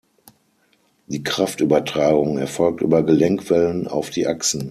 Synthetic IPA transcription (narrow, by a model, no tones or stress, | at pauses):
d̥iːkʁ̥aftyːbɐtʁ̥aːɡʊŋɛɐfɔlk̚tʔy̰ːbɐɡəlɛŋkv̥ɛləna̰ʊfd̥iːʔaksn̩